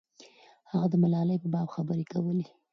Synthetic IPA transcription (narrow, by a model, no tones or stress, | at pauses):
haɣad̪əmalɑləjpəbɑbxabəɾekawəle